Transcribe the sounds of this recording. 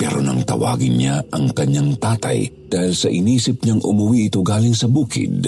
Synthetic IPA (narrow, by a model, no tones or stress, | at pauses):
pɛ̰ɾonɐ̰ŋt̪ɐ̰wa̰ːɡɪnɲaɐŋkɐɲːaŋt̪aːt̪ɐ̰j | d̪aːhilsɐʔɪniːsɪp̚ɲaŋʔʊmʊwiʔɪt̪oɡaːlɪŋsɐbuːkɪ̰d̪̚